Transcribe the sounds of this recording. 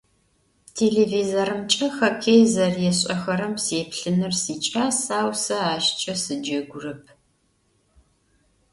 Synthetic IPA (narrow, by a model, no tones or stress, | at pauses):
tʰeːɮeːviːzoɾɨmt͡ʃʼɐxɐkʲʰejzɐrjɛɕʼɐxɐɾɨmseːpɬɨnɨrsiːt͡ʃʼaːsaːwsɐaːʃt͡ʃʼɐsɨd͡ʒɐɡʷʊrɨp̚ʰ